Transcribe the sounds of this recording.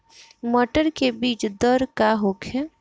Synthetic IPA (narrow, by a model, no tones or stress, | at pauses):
məʈəɾkebiːt͡ʃd̪əɾkaɦoːkʰe